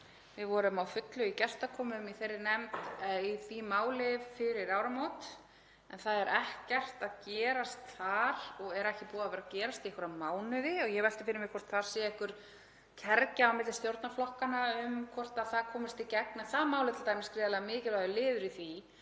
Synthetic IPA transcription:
vɪðvɔːɾʏmawfʏt̪lʏicɛr̥t̪akʰɔːmʏmiθejrːɪnɛmt̪iθimaːwlɪvfɪɾɪɾaːwɾamoːt̪ | ɛnθaðɛɾʔɛhcɛr̥t̪aðcɛːɾast̪θaɾɔɣɛɾɛhcɪpuːðavɛːɾacɛːɾast̪iɛhkʰʏɾamaːwnʏðɪɔɣjɛvɛl̥t̪ɪ̥fɪːɾɪmɪkʰvɔr̥t̪θaɾ̥sɛːjaɛhkʏɾ̥ | cʰɛɾcaawmɪt̪lɪst̪jowɾt̪naflɔhkanaʏmkʰɔr̥t̪aðθaðkʰɔːmɪɾst̪ɪcɛk̚nɛnθaðmaːwlɪt̪lt̪ajmɪskɾɪːðalaamɪːcɪlvaðʏlɪːðʏɾiθi

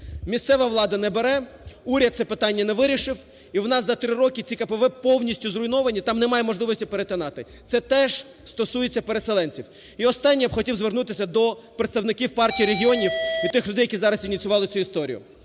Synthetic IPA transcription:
mʲist̪sɛʋɐʋlˠɑd̪ɐnɛbeɾɛuɾʲɐt̪̚sɛpɪt̪ɑnʲːɐnɛʋɪɾʲiʃɪw | iwnɑszɐt̪ɾɪɾɔkʲɪt͡sʲikɐpeʋɛpɔwnʲisʲtʲʊzrʊjnɔʋɐnʲit̪ɑmnɛmɑjɛmɔʒlˠɪʋɔsʲtʲipeɾet̪ɐnɑt̪ɪ | t̪sɛt̪ɛʒ̥ | st̪ɔsujet͡sʲːɐpeɾeselˠɛnʲt͡sʲiw | iɔst̪ɑnʲːijɐpxɔtʲiwzʋernut̪ɪsʲɐd̪ɔpɾet̪st̪ɐwnɪkʲiwpɑrtʲijːɾeɦʲiɔnʲiw̪ut̪ɪxlʲʊd̪ɛjɐkizɑɾɐsinʲit̪t͡sʲʊʋɑlˠɪt͡sʲuist̪ɔɾʲḭjʊ̰

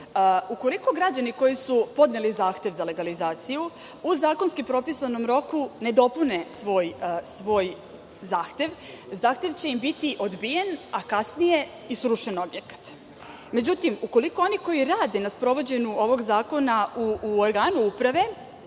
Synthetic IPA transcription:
uko̞liko̞ɡɾad͡ʑaniko̞jisupo̞d̪ne̞lizaːxt̪ʲje̞ʋzale̞ɡalizaːt̪siju | uzaːko̞nskipɾo̞pisano̞mɾo̞kune̞d̪o̞pune̞sʋo̞ːjsʋo̞ːj | zaːxt̪ʲje̞ʋ | zaːxt̪je̞ʋt͡ɕe̞imbit̪iʔo̞d̪bije̞nakasnije̞ | isɾuʃeno̞bje̞kḁt̪ | me̞d͡ʑut̪imuko̞liko̞o̞niko̞jiɾaːd̪e̞naspɾo̞ʋo̞d͡ʑe̞ɲuo̞ʋo̞ɡzaːko̞nauoɾɡaːnuupɾaʋe̞

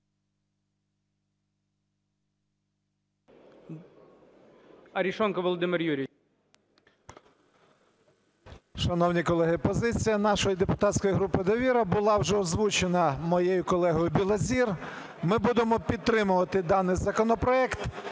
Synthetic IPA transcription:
ɐɾʲiʃɔnkɐʋɔlˠɔd̪ɪmɪrjuɾʲi | ʃɐnɔwnʲikɔlˠɛɦɪpɔzɪt͡sʲijɐnɑʃɔjid̪epʊt̪ɑt̪ʲsʲkɔjiɦɾupɪd̪ɔʋʲiɾɐbʊlˠɑwʒɛɔzʋut͡ʃenɐmɔjejʊkɔlˠɛɦɔjʊbʲilˠɐzʲir | mɪbud̪emɔpʲid̪̚t̪ɾɪmʊʋɐt̪ɪd̪ɑnɪjzɐkɔnɔpɾɔɛkt̪

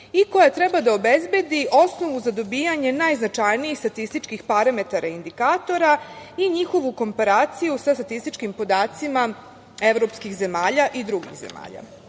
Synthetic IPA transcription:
iko̞jat̪ɾe̞bad̪ao̞bezbje̞d̪iʔo̞sno̞ʋuzad̪o̞biːjaɲe̞najznat͡ʃajniixst̪at̪ist̪it͡ʃkixpaɾame̞t̪aɾʔaind̪ikaːt̪o̞ɾaiɲixo̞ʋuko̞mpaɾaːt̪sijusast̪at̪ist̪it͡ʃkimpo̞d̪aːt̪sima | e̞ʋɾo̞pskixze̞maːʎaʔid̪ɾuɡḭɣzḛma̰ːʎa̰

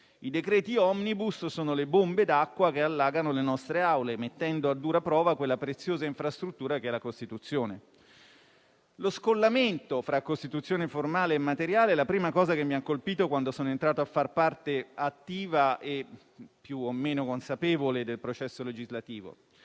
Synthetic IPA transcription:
id̪ekɾɛːt̪iɔmnibussoːnolebombed̪akːwak̟ealːaːɡanolenɔst̪ɾeawlemet̪ːɛnd̪oad̪ːuːɾapɾɔːvakwelːapɾet̪sːjoːzaiɱfɾast̪ɾut̪ːuːɾakeɛlakost̪it̪ut̪sːjoːne | loskolːament̪ofɾakːost̪it̪ut̪sːjoːneformaːleːmːat̪eɾjaːleɛlapɾiːmakɔːzakemːiaŋkolpiːt̪okwand̪osoːnoent̪ɾaːt̪oafːarpart̪eat̪ːiːvaʔe | pːjuomːeːnokonsapɛːvoled̪elpɾot͡ʃɛsːoled͡ʒizlat̪iːvo̰

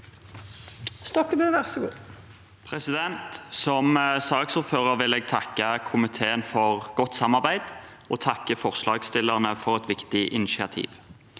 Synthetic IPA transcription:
st̪ɔkːəbøːʋæʁsɔɡuː | pʰʁɛsɪd̪ɛnt̪sɔmsɑːɡsuːʁføːʁəʁʋɪleːɡ̚t̪ʰɑkːəkʰʊmɪt̪ʰeːənfɔʁɡ̥ɔt̪ːsɑmɑʁbæɪd̪ | oːt̪ʰɑkːəfɔʁslɑːɡst̪ɪləʁnəfɔʁɛt̪ʋɪkt̪ɪʔɪnɪʃɪɑt̪ʰḭːʋ

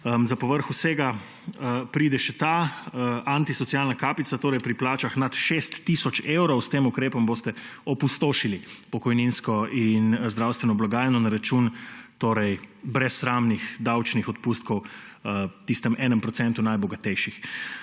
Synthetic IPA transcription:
zapɔʋəɾxuseːɡa | pɾiːd̪ɛʃɛt̪a | ant̪isɔt̪sijalnakaːpit̪sat̪oːɾɛjpɾiplaːt͡ʃaxnat̪ʃest̪ːisɔt͡ʃewɾɔwst̪eːmukɾeːpɔmboːst̪ɛɔpust̪oːʃilipɔkɔjninskɔinzd̪ɾawst̪ʋɛnɔblaɡaːjɛnɔnaɾat͡ʃunt̪oːɾɛjbɾɛsːɾaːmnixd̪awt͡ʃnixɔt̪puːst̪̚kɔw | t̪ist̪ɛmɛːnɛmpɾɔtsɛnt̪unajbɔɡat̪ɛjʃix

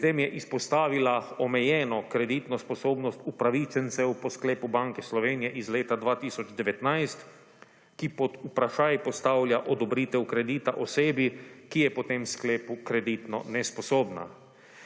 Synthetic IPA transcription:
t̪emjɛʔispɔst̪aːʋilaɔmɛjɛːnɔkɾɛd̪iːt̪nɔspɔsoːbnɔst̪upɾaʋit͡ʃɛnt̪sɛwpɔskleːpubaŋkɛslɔʋeːnijɛʔizleːt̪ad̪ʋaːt̪iːsɔd͡ʒd̪ɛʋɛt̪najst̪ | kipɔd̪upɾaʃaːjpɔst̪awljaʔɔd̪ɔbɾiːt̪ɛwkɾɛd̪iːt̪aʔoseːbikijɛpɔt̪emskleːpukɾɛd̪iːt̪nɔ̰nɛspɔsoːbna̰

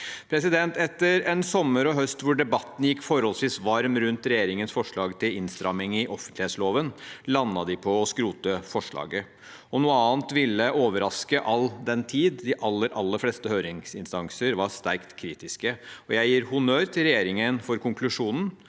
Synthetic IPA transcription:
pʰɾɛsɪd̪ɛnt̪ɛt̪ːəɾɛnsɔmːəɾɔɦœst̪ʋʊɖɛbɑt̪ːn̩jɪkːfɔɾhɔlsʋiːsʋɑɾmɾʉnt̪ɾɛjeːɾɪŋənsfɔʂɭɑːɡt̪ʰɪlɪnst̪ɾɑmɪŋɪʔɔfənt̪lɪheːt̪sloːʋənlɑnːɑd̪ɪpʰɔːskɾuːt̪əfɔʂɭɑ̰ːɡə | ɔnuːəɑːnt̪ʋɪlːəʔoːʋəɾɑskəʔɑld̪ɛnt̪ʰiːd̪d̪ɪʔɑlːəɾʔɑlːəfleːst̪əhøːɾɪŋsɪnst̪ɑŋsəɾʋɑst̪æɾkt̪kʰɾiːt̪ɪskəɔjæɪjiːɾhʊnøːɾt̪ʰɪlɾɛjeːɾɪŋənfɔɾkʊŋklʉʂuːnn̩

